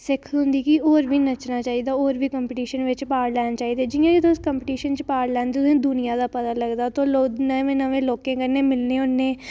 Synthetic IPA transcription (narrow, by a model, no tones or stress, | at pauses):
sɪkʰɦʊ̃nd̪iːkɪoːɾʋiːnət͡ʃnaːt͡ʃaːiːd̪aːoːɾʋiːkəmpʈiːʃənʋɪt͡ʃpaːɾlɛːnat͡ʃaːiːd̪eːd͡ʒɪjãːd͡ʒɪt̪õskəmpɪʈiːʃənt͡ʃpaːɾlɛːnd̪ɪd̪ẽːd̪ʊnɪjaːd̪aːpət̪aːləɡd̪aːt̪õːloːnəʋẽːnəʋẽːloːkẽːkəɾneːmɪlnẽːʊnːẽː